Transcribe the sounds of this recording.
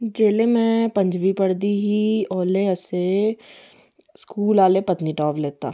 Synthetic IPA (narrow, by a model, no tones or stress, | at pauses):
d͡ʒeːlemɛ̃ːpə̃ɲd͡ʒʋipəɽd̪iɦiɔːleəse | skuːlaːlepət̪niʈɔːbleːt̪a̰ː